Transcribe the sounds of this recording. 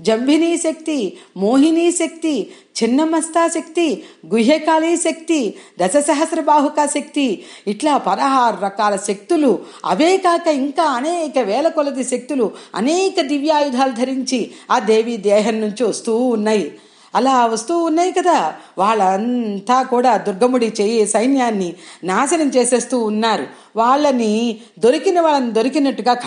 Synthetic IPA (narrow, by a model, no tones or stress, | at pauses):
d͡ʒɐmbʱiniːʃɐk̚t̪imoːɦiniːʃɐk̚t̪i | t͡ʃinːɐmɐst̪aːʃɐkt̪iɡuɦeːkaːliːʃɐk̚t̪id̪ɐsɐsɐɦɐsɾɐbaːɦukaːʃɐk̚t̪iiʈlaːpɐd̪ɐɦaːɾɾɐkaːlɐʃek̚t̪ulu | ɐ̰ʋɛːkaːkɐiŋkaːɐneːkɐʋɛːlɐkɔlɐd̪iʃek̚t̪uluɐ̰nɛːkɐd̪iʋjaːjud̪ʱaːlud̪ʱɐɾiɲt͡ʃiaːd̪eːʋiːd̪ɛːɦɐmːuɲt͡ʃiʋɐst̪uːunːaːji | ɐlaːʋɐst̪uːnːaːjikɐd̪aː | ʋaːɭːɐnt̪aːkuːɽaːd̪uɾɡɐmuɽit͡ʃeːjesɐjnjaːnːinaːsɐnɐmt͡ʃeːse̞ːst̪uːnːaːɾu | ʋaːɭːɐni | d̪o̞ɾikinɐʋaːɭːɐnid̪o̞ɾikinɐʈːuɡaːk